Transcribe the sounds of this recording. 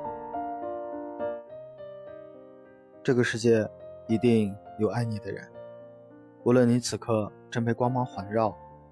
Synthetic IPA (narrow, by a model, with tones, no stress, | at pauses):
ʈ͡ʂɤ˥˩ɡə˩ʂɻ̩˥˧t͡ɕjɛ˥˩i˧˥t̪i˥˩˧ŋjo˨˩ʊa˥˩ɪni˨˩d̪ə̰˦ɻə̰˧˥n | u˧˥lwə˥˩ni˧˥t͡sʰɹ̩˨˩kʰɤ˥˧ʈ͡ʂə˥npʰe˧˥ɪkwɑ˥ŋmɑ˧˥ŋxwa˧˥nɻɑ˥˩ʊ